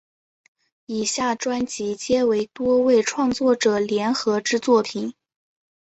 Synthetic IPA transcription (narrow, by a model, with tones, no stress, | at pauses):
i˨˩ɕja˥˩ʈ͡ʂwa˥nt͡ɕi˧˥t͡ɕjɛ˥we˧˥ɪt̪wɔ˥we˥˩ɪʈ͡ʂʰwɑ˥˧ŋt͡swɔ˥˩ʈ͡ʂɤ˨˩ljɛ˧˥nxɤ˧˥ʈ͡ʂɻ̩˥t͡swɔ˥˩pʰi˨˩˦n